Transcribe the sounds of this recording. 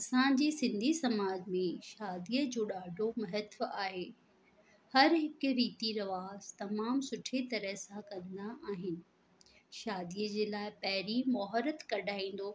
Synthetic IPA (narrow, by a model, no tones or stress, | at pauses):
ɐsãd͡ʑeːsɪ̃nd̪ʱisɐmaːd͡ʑmẽʃaːd̪iːəd͡ʑoːɗaːɖʱomɐɦɛt̪ʋaːɦeː | hɐɾɦɪkɾiːt̪iɾɐʋaːzt̪ɐmaːmsʊʈʰet̪ɐɾəɦsãkɐ̃nd̪aʔaːɦɪnɪ̆ | ʃaːd̪iəd͡ʑeːlaːɪpɐɦɪɾimɔːɦɾət̪kɐɖʱaːĩːn̆d̪oː